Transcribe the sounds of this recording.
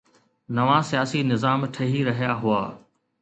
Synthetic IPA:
nɐʋãsijaːsinɪzaːmʈʰɐɦiɾɐɦijaɦʊaː

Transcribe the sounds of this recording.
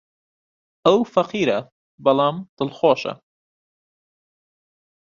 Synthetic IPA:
ʔɐwfɐqiːɾɐ | bɐlˠɑːmt̪ɨlxoːʃɐ̰

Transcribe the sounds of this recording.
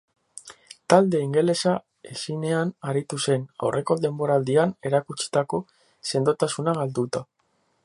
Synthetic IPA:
t̪ald̪e̞iŋɡe̞le̞sa | esine̞anaɾit̪use̞na̰wrʔe̞ko̞ðe̞mbo̞ɾald̪iane̞ɾakut͡ʃi̥t̪ako̞ | se̞nd̪ot̪asunaɣald̪ut̪a

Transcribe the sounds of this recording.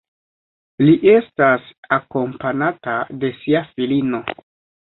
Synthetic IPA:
liʔe̞stasako̞mpanatade̞siafilino̞

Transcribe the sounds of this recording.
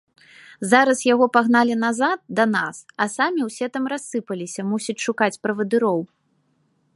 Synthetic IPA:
zaɾɐsjaɣɔpaɣnalʲinazat̪̚d̪ɐnasɐsamʲiwsʲɛt̪amrasːɨpɐlʲisʲɐmusʲɐt͡sʲʂukat͡sʲpɾɐvɐd̪ɨɾɔw

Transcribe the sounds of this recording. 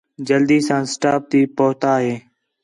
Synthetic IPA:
d͡ʒəld̪iːsãːsʈaːp̚t̪iːpoːt̪aːɦeː

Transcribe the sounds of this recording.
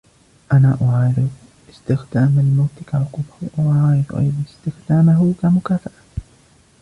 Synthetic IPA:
ʔanaːʔʊʕaːɾɪɾɪ | ʔɪst̪ɪxd̪aːmalmawt̪ɪkaʕʊquːbɪhʔʊʕʕaːɾɪd̪̰ʔa̰jðˤɑnɪst̪ɪxd̪aːmaɦʊkamʊkaːfaʔa

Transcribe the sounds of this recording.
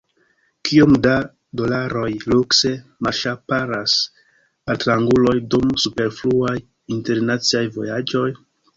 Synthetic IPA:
kʰiomda | do̞laɾo̞jlukse̞maʃapaɾas | altɾaŋɡulo̞jdumsupe̞ɾfluaj | inte̞ɾnat͡siajvo̞̰jad͡ʒo̞j

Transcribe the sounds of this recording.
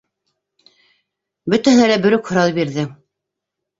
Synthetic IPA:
bɵt̪æhɘ̆nælæbɵ̆ɾɵkhŏɾɑlˠɤbiɾðɘ

